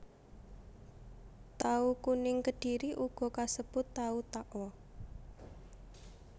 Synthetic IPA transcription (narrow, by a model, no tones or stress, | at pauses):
t̪aukunɪŋkəɖ̥i̤ɾiʔuɡ̥ɔ̤kasəb̥ʊt̪ːaut̪aʔɔ